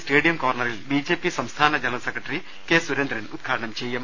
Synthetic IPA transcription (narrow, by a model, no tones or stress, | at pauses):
sʈeːɽijɐmkoːrɳɐɾilbiːd͡ʑe̞ːpisɐmst̪ʰaːnɐd͡ʑɐlɐsekɾɐʈːɐɾi | keːsuɾend̪ɾɐnud̪̚ɡʰʱaːʈɐɳɐmt͡ɕejːɐm